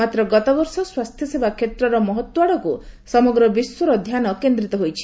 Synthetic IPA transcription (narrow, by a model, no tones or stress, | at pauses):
at̪ɾɔɡɔt̪ɔɡɔɾsɔswast̪ʰjɔsebakʰːet̪ɾɔɾɔmɔɦɔt̪waɽɔkusɔmɔɡɾɔbiswɔɾɔd̪ʱjanɔkend̪ɾit̪ɔɦojt͡ʃʰi̥